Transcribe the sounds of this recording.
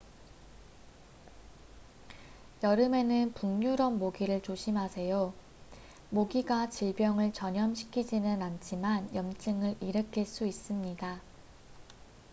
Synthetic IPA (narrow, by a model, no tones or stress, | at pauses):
jʌɾɯme̞nɯnpuŋɲuɾʌnmoɡiɾɯɭt͡ɕoɕʰimɦasʰe̞jo | moɡiɡat͡ɕiɭbjʌŋɯɭt͡ɕʌɲʌmɕʰi̥kʰid͡ʑinɯnant͡ɕʰimanjʌmt͡ɕ͈ɯŋɯɾiɾɯkʰiɭs͈uis͈ɯmɲida